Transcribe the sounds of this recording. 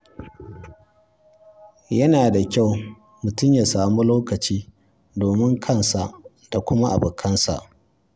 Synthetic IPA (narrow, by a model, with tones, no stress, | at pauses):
jɐ˦naː˨da˨kʲa˦˨w | mʊ˨tʊ˦˨mjaː˨saː˨mu˦loː˦kɐ˨t͡ʃiː˦ | doː˨mɪ˦ŋkʰɐ˦˨nsa˨ʔ | d̥a˨kʷʊ˦ma˦ʔa̰˨bʊ˨kʰɐ˦nsa̰˨ʔ